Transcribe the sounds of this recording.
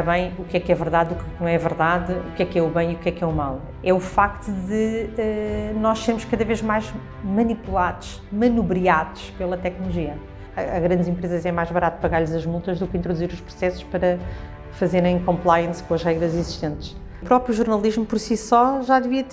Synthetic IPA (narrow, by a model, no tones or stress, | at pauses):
ɾɐβɐ̃j̃ukɛkɛvɨɾðaðukɛk̚nɐ̃w̃ɛvɨɾðaðukɛkɛuβɐ̃j̃iukɛkɛumalˠ | ɛufak̚t̪uðɨɛnɔʃseɾmʊʃkɐðɐveʒmajʒ | mɐnipulˠaðuʃ | mɐnuβɾiaðuʃpelˠɐt̪ɛknulˠuʒiɐː | ɣɾɐ̃nd̪zẽmpɾezɐzɛmajʒβɐɾat̪pɐɣaɾʎzɐʒmulˠt̪ɐʒðukĩnt̪ɾuðuziɾuʃpɾu̥sɛsu̥ʃpɐɾɐ | fɐzeɾɐ̃j̃kõmplˠajɐ̃skõɐʒʁɛɣɾɐziziʃt̪ẽnt̪ʃ | pɾɔpɾjuʒuɾnɐlˠiʒmupɔɾsisɔʒaðɨviɐt̪